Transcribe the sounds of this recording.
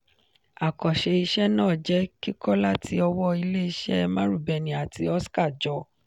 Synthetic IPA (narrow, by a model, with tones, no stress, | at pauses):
a˨kɔ˨ʃe˧i˧ʃɛ˦nãː˦˨d͡ʒɛ˨˦ki˦kɔ˦la˦tʰi˧ɔ˧wɔ˦i˧le˦i˧ʃɛ˦˧mã˦ɾu˦˨bɛ˨nĩ˨a˨ti˧ɔ˦ska˦˨d͡ʒɔ˨˧˦